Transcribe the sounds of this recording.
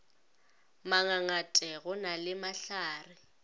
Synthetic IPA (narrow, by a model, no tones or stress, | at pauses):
maŋaŋatʼɛɣʊnalɪmaɬaːrɪ